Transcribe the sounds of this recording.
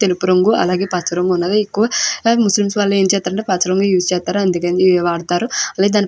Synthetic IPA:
t̪elupuɾɐŋɡuʔɐ̰laːɡe̞ːpaːt͡ʃɐɾɐŋɡunːaːɾaikːuʋɐmuslimsʋaːlːɐe̞ːnt͡ʃɛːst̪aːɾɐɳʈeːpaːt͡ʃɐɾɐŋɡujuːst͡ʃɛːst̪aːɾuɐnd̪ikɐnd̪iʋaːɽt̪aːɾuɐlaːɡed̪aːni

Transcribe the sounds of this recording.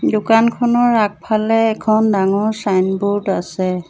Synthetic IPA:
dʊkankʰɔnɔɹak̚pʰalɛːkʰɔndaŋɔɹsajnbuɹdasɛ

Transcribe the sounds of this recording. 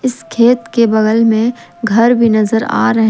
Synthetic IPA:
ɪskʰeːt̪kebɐɣəlmẽ | ɡʱɐɾbʱinɐzəɾa̰ːɾɐɦ

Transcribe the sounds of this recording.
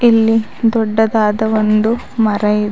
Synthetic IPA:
ilːi | d̪ɔɖːɐd̪aːd̪ɐʋond̪u | mɐɾɐjid̪

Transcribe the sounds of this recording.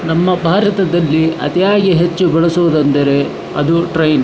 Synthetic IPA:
nɐmːɐbʱaːɾɐt̪ɐd̪ɐlːiʔɐ̰t̪ijaːɡiɦet͡ʃːubɛɭɐsoʋud̪ɐnd̪ɐɾe̞ | ɐ̰d̪uʈɾɐjn

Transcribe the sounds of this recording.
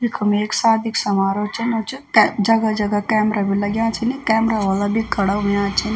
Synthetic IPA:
ikʰɐmeːksaːd̪iksɐmaːɾot͡ʃʰɐnot͡ʃʰid͡ʒɐɡɐd͡ʒɐɡɐkɛːmɾabilɐɡʲjãːt͡ʃʰinikɛːmɾaʋɐlabʱikɐɽamjãːt͡ʃʰin

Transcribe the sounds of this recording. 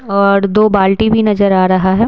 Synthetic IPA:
ɔːɾd̪oːbaːlʈibʱinɐzəɾaːɾɐɦaɦɛː

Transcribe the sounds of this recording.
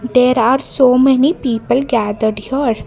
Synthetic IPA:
d̪eːɾaːɾsoːmɛnipiːpəlɡæːd̪əɖjəɾ

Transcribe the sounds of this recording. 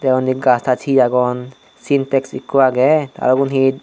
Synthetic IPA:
dɛɔnik̚ɡastʰat͡ʃʰiaɡɔn | sintɛksikːuwaɡɛta̰lɔɡunɦit̚

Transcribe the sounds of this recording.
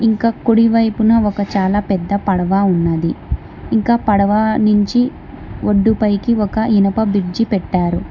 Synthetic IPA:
iŋkaːkoɽiʋɐjpunɐɔkɐt͡ʃaːlaːpɛd̪ːɐpɐɽɐʋaːunːɐd̪iː | ŋkaːpɐɽɐʋanuɲt͡ʃi | ʔoɖːupɐjkiɔkɐinɐpɐbiɾd͡ʒipɛʈːaːɾu

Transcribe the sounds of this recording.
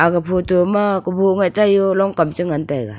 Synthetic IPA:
aɡapʰotumakuboŋajtajɔlɔŋkamt͡ʃɯŋantajɡa

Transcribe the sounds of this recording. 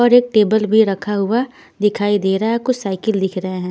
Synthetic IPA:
ɔːɾeːk̚ʈeːbəlbʱiɾɐkʰaɦʊa | d̪ɪkʰaːid̪eːɾaɦakʊt͡ʃʰsaːɪkəld̪ɪkʰɾɐɦeɦɛ̃ː

